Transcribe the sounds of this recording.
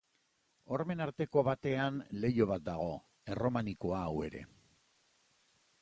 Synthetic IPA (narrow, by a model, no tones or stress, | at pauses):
o̞ɾme̞naɾt̪e̞ko̞βat̪e̞anle̞jo̞β̞at̪̚d̪aɣ̞o̞ | e̞romaniko̞aːwe̞ɾe̞̰